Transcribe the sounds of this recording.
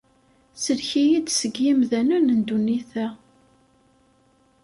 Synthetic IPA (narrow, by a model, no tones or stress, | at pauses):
səɾçijid̪səɡjimðænənənd̪uniθæ